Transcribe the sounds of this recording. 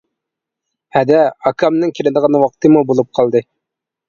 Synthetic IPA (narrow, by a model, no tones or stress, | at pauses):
hæd̪ɛɑkʰɑmnɨŋkʲʰiɾɪd̪əʁɑnwɑq̚t̪ɨmubolˠup̚qʰɑlˠd̪ɨ